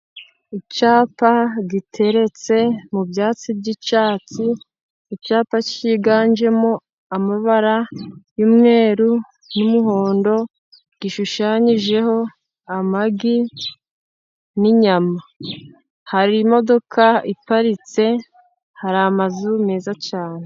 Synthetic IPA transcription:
it͡ʃaːpaɡitʰe̞ɾe̞t͡se̞mubjaːt͡sibɟit͡ʃaːt͡siː | t͡ʃaːpat͡ʃiɡaːnd͡ʒe̞mo | amaβaɾajumŋe̞ːɾu | numuɦoːndo̞ | ɡ̥iʃuʃaːɲiʒe̞ho̞ | amaɡi | niɲama | haɾimo̞do̞kʰaipaɾit͡se̞ | haɾamazumeːzat͡ʃaːne

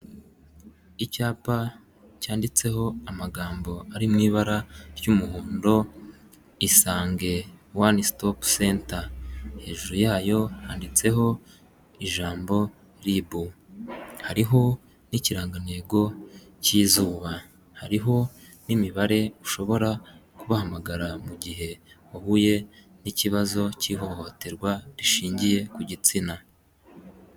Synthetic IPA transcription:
icaːpa | caːndit͡se̞ho̞amaɡaːmbo̞aɾimŋiːβaɾaɾjumuhuːndo̞ | isaːŋɡe̞wanistopseːntahe̞ːʒuɾujaːjo̞haːndit͡se̞ɦo̞ | iʒaːmbo̞ | ɾiβu | haɾiɦo̞ | niciɾaːŋɡane̞ːɡo̞ | ciːzuːβa | haɾiɦo̞ | nimiβaɾe̞uʃo̞βo̞ɾakuβahamaɡaɾamuɟiɦe̞ | ohuje̞ | niciβazo̞ciɦo̞ho̞te̞ɾɡwaɾiʃiːɲɟije̞kuɟit͡sina

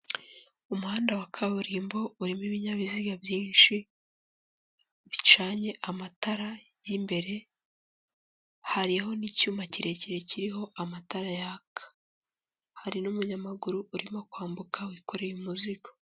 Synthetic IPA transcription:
umuhaːndawakʰaβuɾiːmbo̞uɾimiβiɲaβiziɡabjiːnʃi | βit͡ʃaːɲe̞ʔamataɾajimbe̞ɾe̞ | haɾiho̞nicuːmaciɾe̞ciɾe̞ciɾiɦo̞ʔamataɾajahakḁ | haɾinumuɲamaɡuɾuuɾimo̞kwaːmbukawiko̞ɾe̞jumuziɡo̥

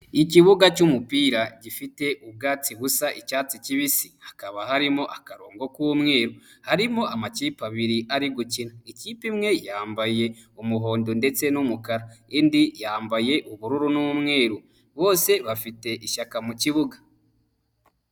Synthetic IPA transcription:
iciβuɡacumupiːɾaɟifite̞ʔuβ̚ɡaːt͡siβusaʔicaːt͡siciβisihakaβahaɾimo̞ʔakaɾoːŋɡo̞kuβumŋe̞ːɾuhaɾimo̞ʔamaciːpaβiɾiʔaɾiɡucinaiciːpimŋe̞jaːmbaje̞ | umuɦo̞ːndonde̞t͡se̞numukaɾaindijaːmbaje̞ʔuβuɾuɾunuβmŋe̞ːɾu | βo̞ːse̞βafite̞ʔiʃakamuciβuɡḁ

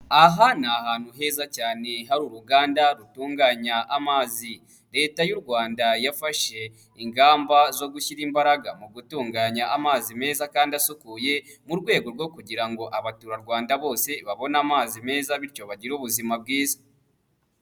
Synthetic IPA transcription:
aɦanahaːn̥huɦe̞ːzacaːne̞ɦaɾuɾuɡaːndaɾutuːŋɡaːɲaʔamaːzi | ɾe̞ːtajuɾɡwaːndajafaʃe̞ | iŋɡaːmbazo̞ɡuçiɾiːmbaɾaɡamuɡutuːŋɡaːɲaʔamaːzime̞ːzakaːndasukuje̞muɾɡwe̞ːɡo̞ɾɡwo̞kuɟiɾaŋɡo̞ʔaβatuɾaɾɡwaːndaβo̞ːse̞βaβo̞naːmaːzime̞ːzaβiɾco̞βaɟiɾuβuzimab̚ɡiːzḁ

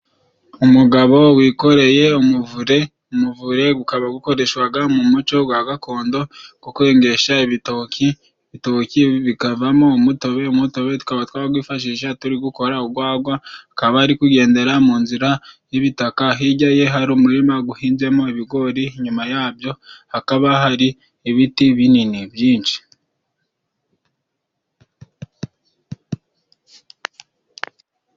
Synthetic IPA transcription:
umuɡaβo̞wiːko̞ɾe̞je̞umuvuɾe̞ | umuvuɾe̞ɡukaβaɡuko̞ɾe̞ʃwaɡamumut͡ʃo̞ɡwaɡakʰo̞ːndo̞ɡ̥okwe̞ːŋɡe̞ʃaiβitoki | βitociβikavamo̞umuto̞βe̞umuto̞βe̞tu̥kaβatwaːɡwiːfaʃ̬iːʃ̬atuɾiɡuko̞ɾauɡwaːɡwaakaβahaɾikuɡe̞ːnde̞ɾamuːnziɾajiβitakaɦiɟaje̞ɦaɾumuɾimaɡuhiːnze̞mo̞iβiɡo̞ɾiɲumajaːbjo̞hakaβaɦaɾiː | βitiβininibjiːnʃi̥

